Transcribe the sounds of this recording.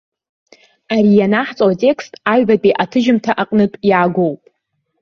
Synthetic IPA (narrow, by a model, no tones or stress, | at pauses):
aɾijanaħt͡sʼawatʼe̞kʰstʼaɥbatʼiʔatʰɨʒɪmtʰaʔaqʼnɨtʼjaːɡʷo̞wpʼ